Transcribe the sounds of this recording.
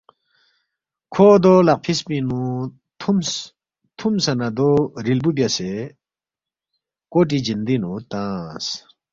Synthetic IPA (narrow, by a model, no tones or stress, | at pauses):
kʰod̪olɐq̚pʰisminu | m | t̪ʰumsɐnad̪oɾilbubʲase | koʈ̬id͡ʑind̪inut̪ãːs